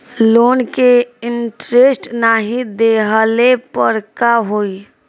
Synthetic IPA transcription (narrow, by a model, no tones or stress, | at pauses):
loːnkeɪnʈɾeːsʈnaɦĩd̪eɦəlepəɾkaɦoːi